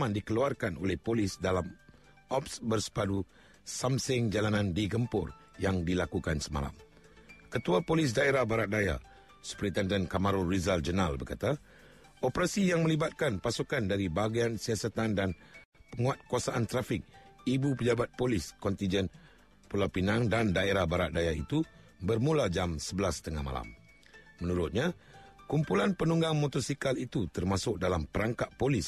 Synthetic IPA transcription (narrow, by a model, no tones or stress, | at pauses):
mãndikəluarkano̰lɛhpolɪsdalam | ʔɔpsbərsə̥padu | samsɪŋd͡ʒalanãndiɡəmpʊr | jaŋdilakukansəma̰la̰m | kət̪uapolɪs̬daeɾahbaɾat̪̚daja̰ | sə̥pɾit̪ɛndənkamaɾurizald͡ʒənalbərkat̪a | ʔopəɾasijaŋmə̃libat̪̚kanpasukandaɾibaɡiansiasat̪andan | pəŋuat̪̚kuasaʔant̪ɾafɪk̚ibupəd͡ʒabat̪̚polɪskɔnt̪ind͡ʒən | pulapinãŋdandaeɾahbaɾat̪̚dajait̪u | bərmulad͡ʒamsəbəlast̪əŋa̰ma̰la̰m | mə̃nũɾʊt̪̚ɲa | kumpulanpənuŋɡaŋmot̪ɔsikalit̪ut̪ərmasʊk̚dalampəɾaŋkaʔ̪̚polis